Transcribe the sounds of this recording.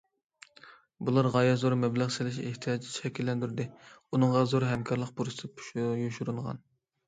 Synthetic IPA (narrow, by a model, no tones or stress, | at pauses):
bulˠɑɾʁɑjɑzoɾmɛblæʁselɪʃeht̪ʰijɑd͡ʒ̪t͡ʃʃʰɛkʲilːɛnd̪yɾd̪ɪunɨɴʁɑzoɾɦɛmkʰʲɑɾlˠəq̚buɾspʃjuʃuɾulʁɑ̰n